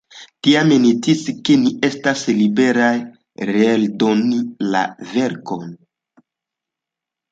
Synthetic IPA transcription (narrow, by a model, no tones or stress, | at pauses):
tiamenit͡siskenie̞staslibe̞ɾaj | ɾeːldonila̰ve̞ɾko̞n